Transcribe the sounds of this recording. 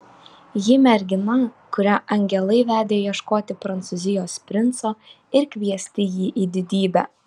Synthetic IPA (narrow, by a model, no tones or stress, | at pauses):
jɪmʲɛɾʲɡʲɪnɐkʊɾʲæʔɐŋʲɡʲɛlˠɐɪʋʲæːd̪ʲeːjiɛʃkoːt̪ʲɪpɾɐnt̪sʊzʲɪjoːspʲɾʲɪnt̪soː | ɪɾkʲʋʲiɛsʲt̪ʲɪjiːʔiːd̪ʲɪd̪ʲiːbʲæ̰ː